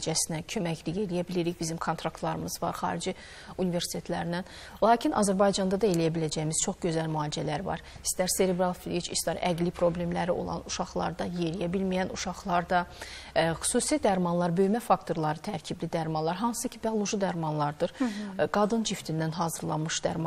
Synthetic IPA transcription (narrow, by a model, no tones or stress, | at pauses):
d͡ʒæsinæcʰø̞mæçʰlijelijæbiliɾiçbizimkʰo̞nt̪ʰɾɑkt̪lˠɑɾɯmɯzvɑ̰ɾχɑ̰ːɾid͡ʒi | unive̞ɾsi̥t̪ʰe̞t̪ʰlæɾinæn | lˠɑːcʰinʔɑ̰zæɾbɑjd͡ʒɑnd̪ɑd̪ɑe̞lijæbilæd͡ʒæjimiz̥t͡ʃʰo̞χɟø̞zælmyɑːlid͡ʒælæɾvɑ̰ɾ | i̥st̪æɾse̞ɾebɾɑlˠfilʲit͡ʃist̪æɾæ̰ɡlipʰɾo̞blʲe̞mlæɾio̞̰lˠɑ̰nuʃɑχlˠɑ̰ɾd̪ɑje̞ɾijæbilmijænuʃɑχlˠɑɾd̪ɑ | xy̥suːsid̪æɾmɑnlˠɑɾbø̞jmæfɑk̚t̪ʰo̞ɾlˠɑɾɯt̪ʰæɾcʰiblid̪æɾmɑnlˠɑɾɦɑnssɯcʰibialˠoʒid̪æɾmɑnlˠɑɾd̪ɯɾɡ̥ɑd̪ɯnt͡ʃʰift̪ʰind̪ænɦɑːzɯɾlˠɑ̰mɯʃd̪æ̰ɾmɑ